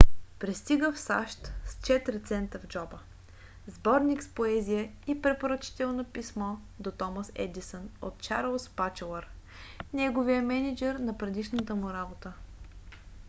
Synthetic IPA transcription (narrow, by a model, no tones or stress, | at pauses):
pɾist̪iɡəfsa̰ʃt̪st͡ʃɛt̪ɾit̪sɛnt̪əvd͡ʒɔbə | zbɔɾnikspoɛzijəipɾɛpoɾɐt͡ʃi̥t̪ɛlˠnopismɔ | d̪ot̪ɔməsɛ̰d̪isənot̪t͡ʃa̰ɾlˠspat͡ʃɛlˠəɾ | nɛɡovijəmɛnid͡ʒɛɾnɐpɾɛd̪iʃnət̪əmʊɾabot̪ə